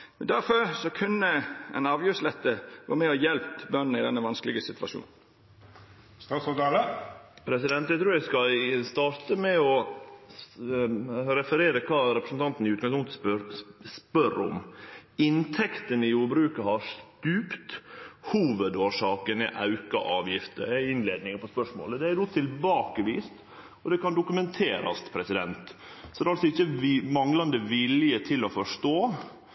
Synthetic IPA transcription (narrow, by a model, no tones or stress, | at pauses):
d̪æɾfɔɾsɔkʰʉnːəɛ̰nɑːʋjʉslɛt̪ːəɡo̰ːmɛɔjɛlppbœnn̩ɪd̪ɛnːəʋɑnsklɪɡəsɪt̪ʋɑʃṵːn̩ | ɑsɔd̪ləpʰɾɛsɪd̪ɛnt̪ɛt̪ɾʉskɑst̪ɑːɾt̪əmɛɔ | ɾɛfəɾeːɾəkʰɑːɾɛpɾəsn̩t̪ɑnt̪n̩ɪʉːɡɑŋspʊŋt̪pɾspœɾʊ̰mɪnt̪ʰɛkt̪ənɪjuːɾbɾʉːkɑhɑst̪ʉːpt̪huːʋəd̪oːʂɑːkənɛ̰ʔɑʉkɑ̰ʔɑːʋjɪft̪ə̰ɾɪnleːd̪nɪŋəpɔspœʂmo̰ːləd̪ɛæɾd̪oːt̪ʰɪlbɑːkəʋiːst̪ | ɔd̪ɛkɑnd̪ʊkʉmɛnt̪ʰeːɾɑ̰st̪pʰɾɛsɪd̪ɛnt̪sɔd̪ɛɾɑlsɔɪçːəmɑŋlɑnd̪əʋɪlɪjət̪ʰɪlɔfɔʂʈoː